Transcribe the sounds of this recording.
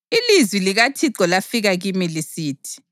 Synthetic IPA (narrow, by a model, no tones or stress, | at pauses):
ilizwiliɣatʰiǃɔlafiɣaɣimilisiːtʰi̥